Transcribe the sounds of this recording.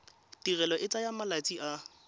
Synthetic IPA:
tirɛlɔʔɪt͡sʼajamalat͡sʼiʔa

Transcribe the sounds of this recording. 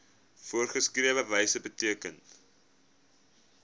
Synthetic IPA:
fuərχəskriəvəvɛjsəbətiəkən

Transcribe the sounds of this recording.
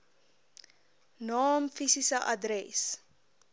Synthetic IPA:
nɑːmfisisəʔɐdrɛs

